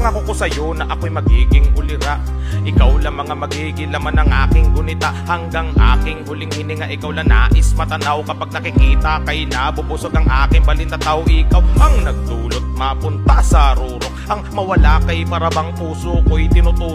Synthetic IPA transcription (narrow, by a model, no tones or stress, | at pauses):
ŋɐkokosɐjonɐʔɐkojmɐɡiːɡɪŋʔʊlɪɾaʔ | ʔɪkawlɐŋmɐŋamɐɡiːɡɪŋlɐmanɐŋʔaːkɪŋɡʊnɪt̪aʔhɐŋɡaŋʔa̰ːkɪŋhʊlɪŋhɪnɪŋaʔɪkawlana̰ːʔɪsmɐt̪ɐnawkɐpaɡ̚nɐkɪkiːt̪ɐkɐjnɐbʊbʊsoɡɐŋʔaːkɪŋbɐlɪnɐt̪ahoʔɪkawʔɐŋnɐɡ̚d̪uːlot̪̚mapʊnt̪asɐɾuːɾoŋʔɐŋmɐwɐlakɐjpɐɾɐbɐŋpuːsokojt̪ɪnʊt̪uː